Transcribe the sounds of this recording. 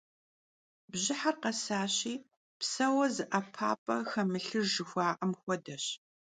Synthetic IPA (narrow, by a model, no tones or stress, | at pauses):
bʑɪħarqɐsaːɕiː | psɐwɐzɨʔapʰaːpʼɐxɐmɨɬɨʒɨxʷɑːʔɐmxʷɔdɐɕ